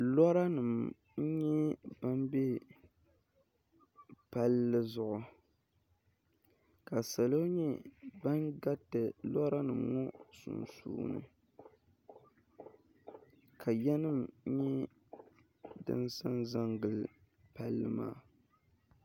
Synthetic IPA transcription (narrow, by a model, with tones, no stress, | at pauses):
lɔ˦ɾa˦nɨ˨m̩˦ | ɲɛ˦ba˦mbɛ˦ | pa˦lːɨ˦zʊ˨ʔʊ˨ | ka˨sa˨lo˦ɲɛ˦ba˦nɡa˦tɨ˨lɔ˦ɾa˦nɨ˨mŋɔ˦sṵ˨nsṵː˦nɨ̰˨ | kʰa˨jɛ˦nɨ˦m̩˦ɲɛ˦ | dɨ̰˦nsa˦nza˦ŋɡɨ˨lɨ˨ | pa˦lːɨ˦ma̰ː˦˨